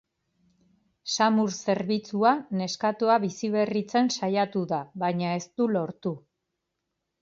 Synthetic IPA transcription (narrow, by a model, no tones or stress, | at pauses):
samuɾse̞ɾβit͡suane̞skat̪uaβisiβe̞rit͡se̞nsajat̪uðaβaɲae̞st̪ulo̞ɾt̪u